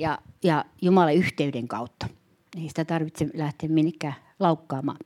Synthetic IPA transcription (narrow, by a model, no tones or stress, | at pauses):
jɑjɑjumɑlɑyht̪eydeŋkɑut̪ːɑ̥ | eisi̥t̪æt̪ɑrʋit̪selæht̪eːmminːekːæː | lɑukːɑːmɑ̰ː